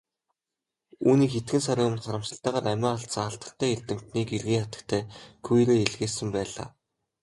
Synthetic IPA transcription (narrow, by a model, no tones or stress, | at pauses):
uːniːkxet̪ɡɘ̆nsaɾʲiːmə̆nχaɾə̆msə̆ɬt̪aːʁaːɾæmʲaːaɬt̪sə̆ŋaɬt̪ə̆ɬt̪ʰæːerʲt̪ɘ̆m̥t̪niːkerɣiːŋχat̪ə̆kt̪ʰæːkʰujɾeːeɮɣeːsɘ̆mpæːɮa̰ː